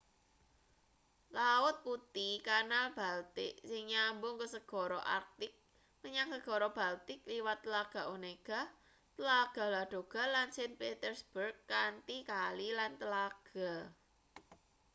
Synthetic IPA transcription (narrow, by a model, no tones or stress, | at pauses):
laʊt̪̚put̪ikanalb̥alt̪ɪʔsɪŋɲambʊŋkəsəɡ̥ɔ̤ɾɔʔa̰rk̚t̪ɪk̚ | məɲaŋsəɡ̥ɔ̤ɾɔb̥a̤lt̪ɪk̚liwat̪ːəlaɡ̥a̤ʔoneɡ̥a̤ | t̪əlaɡ̥a̤laɖ̪̥o̤ɡ̥a̤lansɛnpet̪ərsb̥ərkːant̪ikalilant̪əlaɡ̥a̤